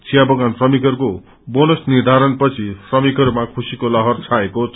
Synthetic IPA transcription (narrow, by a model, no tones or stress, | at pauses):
t͡sʰijabʌɡansrʌmikʌɾuko | bonosnird̪ʱaɾʌnpʌt͡sʰisrʌmikʌɾumakʰusikolʌɦʌrt͡sʰaeko